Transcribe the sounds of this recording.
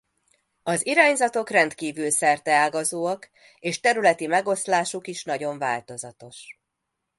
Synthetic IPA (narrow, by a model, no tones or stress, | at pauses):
ɒziɾaːɲzɒt̪o̞krɛnt̪kiːvylsɛrt̪ɛaːɡɒzoːɒk | eːʃt̪ɛɾylɛt̪imɛɡo̞slaːʃukiʃnɒɟo̞ɱva̰ːlt̪o̞zɒt̪o̞ʃ